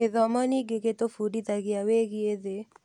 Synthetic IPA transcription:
ɪðɔmɔnɪɡeket̪ofudit̪aɡɪaweɡɪeðe

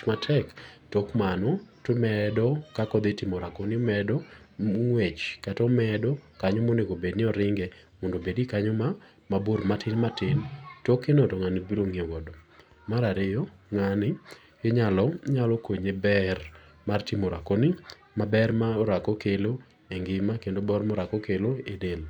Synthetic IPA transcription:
matʰɛktɔkmanɔtomɛdɔkakɔd̪etɪmoɾakɔnɪɔmɛdɔ | ŋwet͡ʃkatɔmɛdɔkaɲomoneɡobednɪɔɾɪŋɡɛmɔndobedikaɲɔma | maboɾmatʰɪnmatɪntɔkenɔtɔŋanibiɾoŋewɔdɔ | maɾaɾɪjɔ | ŋanɪ | kɪɲalɔɲalɔkoɲebɛr | martɪmoɾa̰kɔnɪ | mabɛrmaɾakɔkelo | eŋɡɪmakendobɔrmɔɾakɔkeloedel

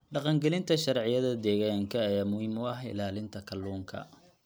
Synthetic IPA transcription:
ɖɑqɑŋɡɛlɪnt̪ʰɐʃɐɾʕɪjɐðɐd̪ɛːɣaːŋkʰɐːjaːmʊhiːmʊɐɦɪ̰laːlɪnt̪ʰɐkʰɐlːuːŋkʰɐ̰

